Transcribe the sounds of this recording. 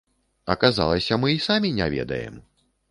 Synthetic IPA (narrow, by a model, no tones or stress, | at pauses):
ɐkaza̰lˠɐsʲɐmɨisamʲinʲavʲɛ̰d̪ɐ̰jɛ̰m